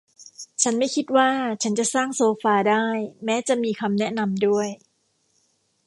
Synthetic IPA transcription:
t͡ɕʰa˦˥nma˥˩jkʰi˦˥t̪̚waː˥˩t͡ɕʰa˦˥nt͡ɕa˨˩ʔsaː˥˩ŋsoː˧faː˧daː˥˩jmɛː˦˥t͡ɕa˨˩ʔmiː˧kʰa˧mnɛ˦˥ʔna˧mdu˥˩əj

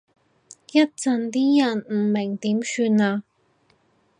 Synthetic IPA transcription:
jɐ˥t̚t͡sɐ˧nt̪iː˥jɐ˨˩nm̩˨˩mɪ˨˩ŋt̪iː˨˥msyː˧naː˧

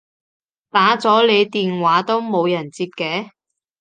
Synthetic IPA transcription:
t̪aː˨˥t͡sɔː˨˥le˨˧jt̪iː˨nwaː˨˥t̪o˥wmo˨˧wjɐ˨˩nt͡siː˧p̚kɛː˨˥

